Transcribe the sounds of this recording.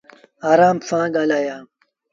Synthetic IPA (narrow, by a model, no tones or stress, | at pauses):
aːɾaːmfãːɡalaːjaː